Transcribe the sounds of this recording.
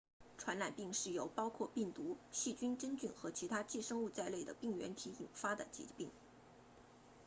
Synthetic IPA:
ʈ͡ʂʰwa˧˥nla˨˩npi˥˧ŋʂɻ̩˥˩jo˧˥ʊpɑ˥ʊkʰwɔ˥˧pi˥˩ŋt̪u˧˥ɕi˥˩t͡ɕy˥nʈ͡ʂə˥nt͡ɕy˥˩nxɤ˧˥t͡ɕʰi˧˥t̪ʰa˥t͡ɕi˥˧ʂɤ˥ŋu˥˧t͡sa˥˧ɪle˥˩ɪd̪ə˩pi˥˩ŋɥɛ̰˧˥nt̪ʰi˧˥i˨˩nfa˥d̪ə˨t͡ɕḭ˧˥pi˥˩ŋ

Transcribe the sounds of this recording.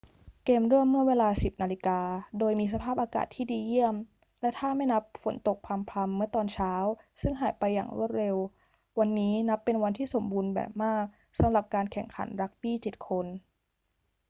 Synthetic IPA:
keː˧mɾu˥˩əmːɯ˥˩əweː˧laː˧si˨˩p̚naː˧li˧˦˥kaː˧doː˧jmiː˧s̬a˧pʰaː˥˩p̚ʔaː˧ka̰ː˨˩t̪ʰːiː˥˩diː˧ji˥˩əm | lɛ˦˥t̪ʰaː˥˩ma˥˩jna˦˥p̚fo˩˦nt̪o˨˩k̚pʰa˧mpʰa˧mːɯ˥˩ət̪ɔː˧nt͡ɕʰaː˦˥wsɯ˥˩ŋɦaː˩˦jpa˧jːa̰ː˨˩ŋɾṵ˥˩ət̪̚ɾe˧w | wa˧nːiː˦˥na˦˥pːe˧nwa˧nt̪ʰiː˥˩so˩˦mbuː˧nbɛ̰ː˨˩p̚maː˥˩k̚ | sa˩˦mɾa˨˩p̚kaː˧nkʰɛ˨˩ŋkʰa̰˩˦nɾa˦˥k̚biː˥˩t͡ɕi˨˩t̪̚kʰo˧n

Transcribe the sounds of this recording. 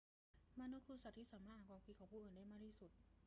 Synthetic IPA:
maː˧˥nːu˧˥kʰɯː˧sa˨˩t̪̚ʰːiː˥˩saː˩˦maː˥˩aː˧˩kwɔː˧˩kiː˧˩kʰa˨˩wpʰuː˥˩ʔɤː˨˩ndaː˥˩jmaː˧˩tʰiː˥˩su˨˩t̪̚

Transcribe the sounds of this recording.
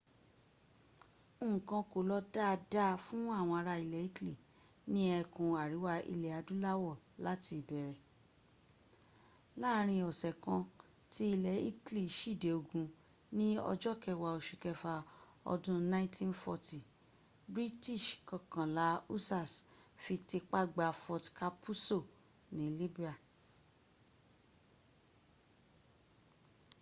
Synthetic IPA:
ũ˦˨kã˧ko˨lɔ˧da˦˧da˦fũ˦a˦˨w̃ɔ̃˧a˧ɾa˧i˨lɛ˨˦i˦ti˦li˦˨ | nĩ˦ɛ˧kũ˨a˨ɾi˨˦wa˧ḭ˧le˨a˨˧dũ˦la˦wɔ˦˨la˨˦ti˧˨bɛ˨˦ɾɛ˨ | la˦ɾ̃ĩ˧ɔ˨sɛ˨kã˧ | ti˦i˧lɛ˨˦ḭ˦tli˦˨ʃi˦˨de˨o˧ɡũ˧ | nĩ˦ɔ̰˧d͡ʒɔ˦kɛ˧wa˧o˨ʃu˨kɛ˧fa˧ | ɔ̰˧dũ˦nã˦ĩ˦tʰĩ˦n˦fɔ˧ti˨ | bɾi˦ti˦˨ʃkã˨kã˨la˨˦u˦sa˦˨sfi˧ti˧k͡pa˦ɡ͡ba˧fɔ˧tka˧pʰu˦so˦˨ | nĩ˨˦li˦bi˦a˨

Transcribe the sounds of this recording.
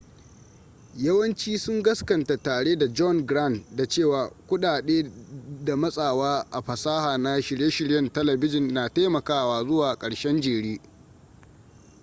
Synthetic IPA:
jɐ˦wɐ˦nt͡ʃiː˦sʊ˦ŋɡɐ˦skɐ˨nta˨taː˨ɽeː˦da˨d͡ʒɔ˦nɡɾa˦˨ntda˨t͡ʃeː˦˨waː˨kʷʊ˦ɗaː˨ɗeː˦da˨mɐ˦sʼaː˨waː˦ʔa˨ɸɐ˨saː˦haː˨na˦ʃɪ˨ɽje˦ʃɪ˨ɽjɐ˨ntɐ˦lɐ˨bɪ˦d͡ʒɪ˨nːaː˨ta˦jmɐ˨kaː˦˨waː˦zʊ˦waː˨kʼɐ˨ɽʃɛ˦nd͡ʒeː˨ɽiː˦

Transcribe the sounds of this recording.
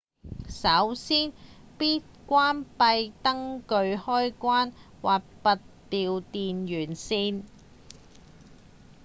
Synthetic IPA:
sɐ˨˥wsiː˥n | piː˥t̚kʷaː˥npɐ˧jt̪ɐ˥ŋkɵ˧ɥhɔː˥jkʷaː˥n | waː˨t̚pɐ˨t̚piː˨˧wt̪iː˨njyː˨˩nsiː˧n

